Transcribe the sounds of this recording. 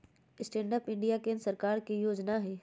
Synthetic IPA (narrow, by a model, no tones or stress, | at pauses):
ɪsʈẽːɳɖəpɪ̃ɳɖijakẽːnɾsɐɾkaːɾkijoːd͡ʒnaɦɛː